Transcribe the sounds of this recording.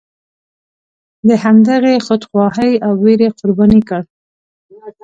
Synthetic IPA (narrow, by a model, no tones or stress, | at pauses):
d̪əhand̪aɣexʊd̪xwɑhəjawːeɾeqʊɾbɑnikaɽ